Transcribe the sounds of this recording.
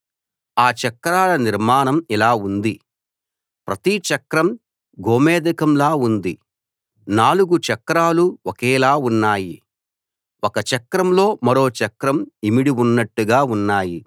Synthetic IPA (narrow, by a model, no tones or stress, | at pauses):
aːt͡ʃɐkɾaːlɐniɾmaːnɐmilaːund̪i | pɾɐt̪it͡ʃɐkɾɐm | ɡʱoːmɛːd̪ɐkɐmlaːund̪i | naːluɡut͡ʃɐkɾaːluwɔkɛːlaːunːaːji | wokɐt͡ʃɐkɾɐmlo̞ːmɐɾo̞ːt͡ʃɐkɾɐmimiɽiunːɐʈːuɡaːunːaːji